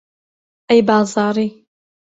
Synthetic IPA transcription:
ajbaːzaːɾi

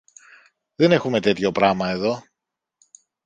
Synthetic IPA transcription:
ðe̞ne̞xume̞t̪e̞t̪ço̞pɾɐmɐe̞ðo̞

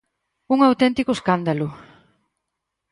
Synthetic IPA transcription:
uŋawt̪ɛnt̪ikoeskand̪alʊ

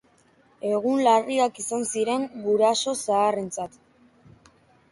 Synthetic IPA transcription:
e̞ɣ̞unlariakisansiɾe̞ŋɡuɾaso̞saːre̞nt͡sat̪

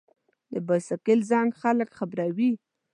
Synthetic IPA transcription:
d̪əbasakɪlzaŋɡxaləkxabɾawi

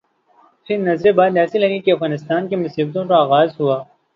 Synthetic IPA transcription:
pʰɪɾnɐzɾebaːd̪ɛːsiɦɐnikeɐfɣaːnɪst̪aːnkemʊsiːb̚t̪õkaaːɣaːzɦuaː

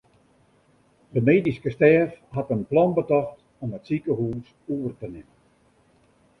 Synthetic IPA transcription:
dəmeːdiskəstɛːfhatənplɔnbətɔxt | ɔmətsikəhuːs | uərtənɪmən

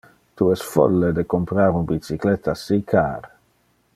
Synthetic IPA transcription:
t̪uɛsfɔ̰lːed̪ekompɾaːɾunbit̪t͡siklet̪ːasikʰaːɾ

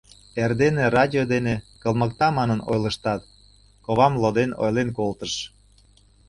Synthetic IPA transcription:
erd̪enerɑdʲiod̪enekəlˠməkt̪ɑmɑnəno̰jləʃt̪ɑt̪ | koβɑmlˠod̪eno̰jlenkolt̪əʃ

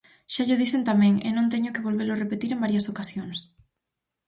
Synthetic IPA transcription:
ʃaʎoð̞iθent̪amɛ̃ŋḛnõnt̪eɲokeβolβelorepet̪iɾembaɾjɐsokasjoŋs

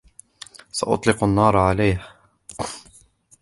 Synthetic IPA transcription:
saʔʊ̰t̪ˤlɪqanːɑːɾˤʕalajh

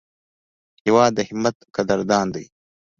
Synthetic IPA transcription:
jɐwɑːd̪əhɪmɐt̪kɐd̪ɐɾd̪ɑːnd̪aj

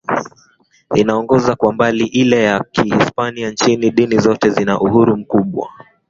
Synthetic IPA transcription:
inaɔŋɡɔzakwambaliʔilɛjakʰihispaniant͡ʃiniɗinizɔtɛzinaʔuhuɾum̩kuɓwa̰

